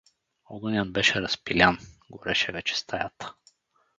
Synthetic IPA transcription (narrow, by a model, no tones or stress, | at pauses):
ɔɡənʲanbɛʃɛɾɐspilʲanɡoɾʔɛʃɛvɛt͡ʃɛ̥st̪ʰajat̪ə̥